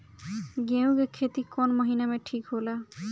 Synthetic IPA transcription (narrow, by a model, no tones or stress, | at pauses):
ɡew̃ɡekʰet̪ikɔnmʌɦinamẽʈʰikɦola